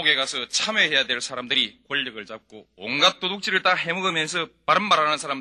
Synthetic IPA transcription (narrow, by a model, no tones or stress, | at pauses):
oɡe̞ɡasʰɯt͡ɕʰamehe̞jadwe̞ɭsʰaɾamdɯɾikwoʎːɯɡɯɭt͡ɕap̚k͈oonɡat͈odok̚t͡ɕ͈iɾɯɭt͈aɦemɯɡɯmjʌnsʰʌpaɾɯnmaɾɦanɯnsʰaɾam